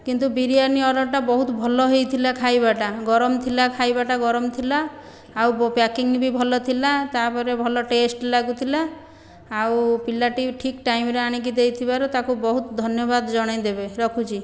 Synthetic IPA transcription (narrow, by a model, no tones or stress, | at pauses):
kint̪ubiɾiaɾniɔɾɔʈabɔɦut̪bʱɔlɔɦejt̪ʰilakʰajbaʈaɡɔɾɔmt̪ʰilakʰajbaʈaɡɔɾɔmt̪ʰilaː | wpakiŋnibibʱɔlɔt̪ʰilat̪apɔɾebʱɔlɔʈesʈlaɡut̪ʰilaː | wpilaʈiʈʰikʈajmɾeaɽ̃ik̬id̪ejt̪ʰibaɾut̪akubɔɦut̪ɔd̪ʱɔnjɔbad̪d͡ʒɔɽ̃ajd̪ebeɾɔkʰut͡ʃʰi